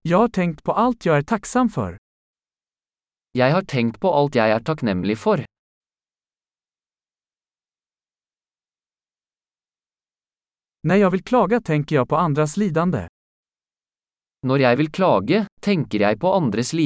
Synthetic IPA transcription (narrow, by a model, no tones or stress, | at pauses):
jɑhɑːʈʰɛŋt̪pʰoːʔɑlt̪ʰjæɪæːʈʰɑksɑmfɔ̰ɾ | jæɪhɑːʈʰɛŋt̪pʰoːʔɑlt̪jæɪæːʈʰɑknɛmlɪfɔɾ | næjɑːʋɪlkʰlɑːɡət̪ʰɛŋkəjæpʰoːɑnd̪ɾɑsliːd̪ɑnd̪ə̰ | nɔɾjæɪʋɪlkʰlɑːɡət̪ʰɛŋkəɾjæɪpʰoːʔɑnd̪ɾəsliː